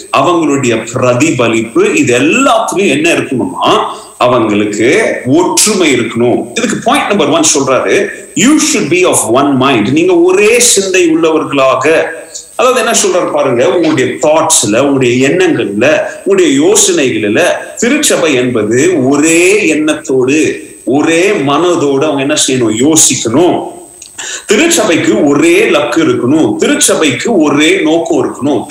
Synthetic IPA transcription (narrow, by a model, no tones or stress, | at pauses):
ɐʋɐŋɡɐɭɯɽɐjɐpɾɐðiʋɐlɪpːɯɪðɛlːaːt̪ːɯkːʊ̃ɛnːɐɪɾɯkːɐɳʊnːa̰ː | ɐʋɐŋɡɐɭɯkːɯɔʈɾɯmɐɪɪɾɯkːɐɳʊ̃ɪðɯk̬ːɯpʰoːjɪ̃ɳʈnɐmbɐɾʋɐnːsɔlraːɾɯ | juːʃʊɖ̚biɔːfʋɐnmɐ̃ɪɳɖniːŋɡɐɔɾeːsɪnd̪ɐɪʊɭːɐʋɐɾɣɐɭaːɣɐ | ɐðaːʋɐðɯɛnːɐsɔlraːɾɯpaːɾɯŋɡɐʊŋɡɐɭɯɽɐjɐt̪aːʈsɪlɐʊŋɡɐɭɐɽɐjɐɛɳːɐŋɡɐɭɪlɐʊŋɡːɐɽɐjɐjoːsɐnɐɪɣɐɭɪlɐt̪ɪɾɯt͡ʃːɐbɐɪɛnbɐðɯɔɾeːɛnːɐt̪ːoːɽɯ | ɔɾeːmɐnɐðoːɽɯɐʋɐŋɡɐɛnːɐsɛjːɐnõːjoːsɪkːɐɳʊ̃ | t̪ɪɾɯt͡ʃːɐbɐɪkːɯɔɾeːlɐkːɯɪɾɯkːɐɳʊ̃t̪ɪɾɯt͡ʃːɐbɐɪkːɯɔɾeːnoːkɔ̃ɪɾɯkːɐɳʊ̃